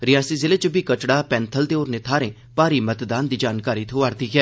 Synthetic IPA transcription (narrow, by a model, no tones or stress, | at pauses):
ɾɪjaːsiːzɪleːt͡ʃəbʱiːkət͡ʃɽaːpɛ̃ːnt̪ʰəlt̪eːoːɾneːt̪ʰaːɾẽː | paːɾiːmət̪d̪aːnd̪iːd͡ʒaːnkaːɾiːt̪ʰoːaːɾt̪iːkɛː